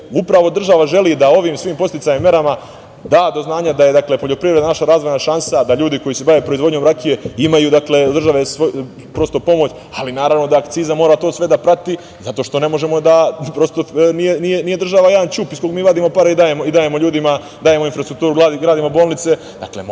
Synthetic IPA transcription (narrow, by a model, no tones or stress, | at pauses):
upɾaʋo̞d̪r̩ʒaʋaʒe̞liːd̪ao̞ʋiːmsʋiːmpo̞st̪it̪sajimːe̞ɾama | d̪aːd̪o̞znaːɲad̪aje̞d̪akle̞poʎo̞pɾivɾed̪nanaʃaɾaːzʋo̞jnaʃansad̪aʎuːd̪iko̞jise̞baʋe̞ːpɾo̞izvo̞d̪ɲo̞mɾakije̞imajuːd̪akle̞d̪r̩ʒaʋe̞sʋo | pɾo̞st̪o̞po̞mot͡ɕ | alinaːɾaʋno̞d̪aːkt̪siːzamoːɾat̪o̞ːsʋe̞d̪apɾat̪i | zat̪o̞ːʃt̪o̞ne̞mo̞ʒe̞mo̞d̪apɾo̞st̪o̞nijenije̞nijed̪r̩ʒaʋaje̞d̪ant͡ʃupisko̞kmiːʋad̪iːmo̞paɾaid̪aːjemoid̪aːje̞mo̞ʎuːd̪ima | d̪aːje̞moinfɾast̪ɾuk̚t̪uːɾuɡaːiɡɾaːd̪imo̞bo̞ːlˠnit̪se̞ | d̪a̰klḛm